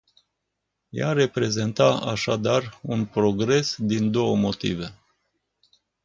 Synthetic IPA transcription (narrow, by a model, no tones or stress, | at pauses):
ja̰ɾe̞pɾe̞ze̞nt̪aaʃad̪arunpɾo̞ɡɾe̞sd̪ind̪o̞wəmo̞t̪ḭve̞